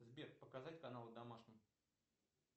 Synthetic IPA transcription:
zbʲerpəkazatʲkɐnalˠd̪ɐmaʂnʲɪx

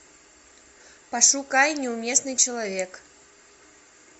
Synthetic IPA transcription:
paʂukajnʲɛumʲɛsnɨjt͡ʃɐlˠavʲɛk

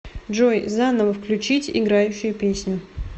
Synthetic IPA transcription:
dʐojzanəvəfklʲʉt͡ɕitʲɪ̰ɡɾajʉɕːɪjʊpʲesʲnʲʊ

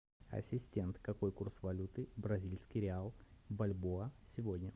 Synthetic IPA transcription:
ɐ̰sʲɪsʲtʲe̞nt̪kɐko̞jkursvɐlʲut̪ɨbɾɐzʲilʲsʲkʲijɾʲɪalˠbɐlʲboəsʲɪvodʲnʲə

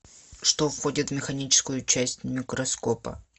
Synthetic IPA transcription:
ʂt̪o̞fxo̞dʲɪt̪vmʲɪxɐnʲit͡ɕɪ̥skʊjʊt͡ɕæsʲtʲmʲɪkɾɐsko̞pə̰

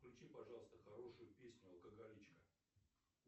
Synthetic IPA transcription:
klʲʉt͡ɕipɐʐɑlˠəst̪əxɐɾo̞ʂʊjʊpʲesʲnʲʊɐlˠkəɡɐlʲit͡ɕkə

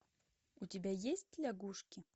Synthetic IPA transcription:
ʊtʲɪbʲajesʲt̚ʲlʲaɡuʂkʲɪ

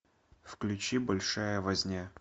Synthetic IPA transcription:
fklʲʉt͡ɕibɐlʲʂajəvɐzʲnʲa

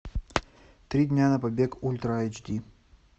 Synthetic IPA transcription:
t̪ɾʲid̪ʲnʲanəpɐbʲekulʲt̪ɾəajt͡ʃd̪ʲi

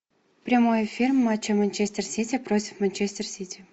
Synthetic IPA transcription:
pɾʲamojfʲirmːat͡ɕəmɐnʲt͡ɕesʲtʲersʲitʲɪpɾotʲɪ̥fmɐnʲt͡ɕesʲtʲɪrsʲitʲɪ

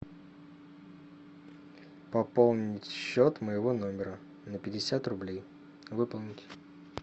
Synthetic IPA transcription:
pɐpo̞lˠnʲɪtʲɕːo̞t̪məjɪvo̞no̞mʲɪɾə | nəpʲɪdʲɪsʲat̪rʊblʲej | vɨpəlˠnʲɪtʲ

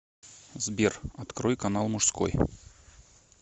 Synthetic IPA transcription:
zbʲerɐt̪kɾojkɐnalˠmʊʂsko̰j

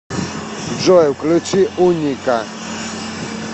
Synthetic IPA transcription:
d͡ʒɔɛklɨt͡ʃiuɲika

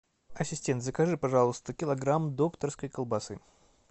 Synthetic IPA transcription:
ɐsʲɪsʲtʲe̞nt̪zəkɐʐɨpɐʐalˠəst̪əkʲɪlˠɐɡɾamd̪okt̪ərskəjkəlˠbɐsɨ̰

